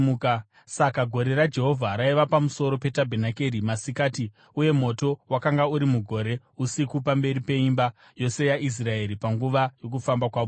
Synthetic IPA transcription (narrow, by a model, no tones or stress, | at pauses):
sakaɡʱo̞ɾe̞ɾad͡ʒe̞ɦo̞vʱaɾaiʋapamuso̞ɾo̞pe̞tabʱenake̞ɾimasikaːti | uje̞mo̞to̞wakaŋɡauɾimuɡʱo̞ɾe̞ | usikupambe̞ɾipe̞imba | jo̞se̞jaʔis̬rae̞ɾipaŋɡuʋajo̞k̬ufambakwaːʋo